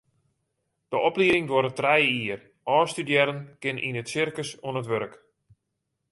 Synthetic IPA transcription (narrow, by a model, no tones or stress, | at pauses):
d̥əʔɔpliəɾɪŋdwoːɾətrɛjəiər | ɔːstydjɛɾənkɪnʔḭnətsɪrkəsoənətʋøɾək